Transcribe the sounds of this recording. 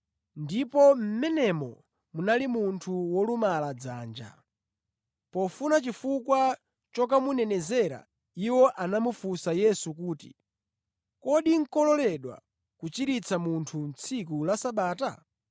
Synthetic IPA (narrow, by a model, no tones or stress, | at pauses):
ndipɔm̩mɛnɛmɔ̰ | munalimuntʰuwɔlumalad͡zaːnd͡ʒa̰ | pɔfunat͡ʃifukwa | t͡ʃɔk̬amunɛnɛzɛɾa̰ | iwɔʔanamufusajɛsukuːtḭ | kɔɗiŋ̩kɔlɔlɛɗwa̰ | kut͡ʃiɾit͡sʰamuntʰun̩t͡sʰik̬ulasaɓaːta